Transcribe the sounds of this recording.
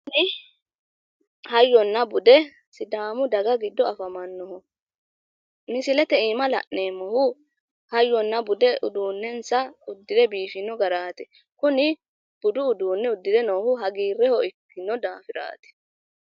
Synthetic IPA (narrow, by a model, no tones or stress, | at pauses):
knɪ | hɐjːɔnːɐbʊd̪ɛ | sɪd̪aːmʊd̪ɐɡɐɡɪd̪ːɔɐfɐmɐnːɔɦɔ | mɪsɪlɛt̪ɛiːmɐlɐ̰ʔneːmːɔhʊ | hɐjːɔnːɐbʊd̪ɛʔʊ̰d̪uːnːɛnsɐʊd̪ːɪd̪ɛbiːfɪnːɔɡɐɾaːt̪ɛ | kʊnɪ | b̥ʊd̪ʊʊd̪uːnːɛʊd̪ːɪd̪ɛnoːhʊɦɐɡiːrːɛhɔɪkːɪnːɔd̪aːfɪɾa̰ːt̪ɛ̥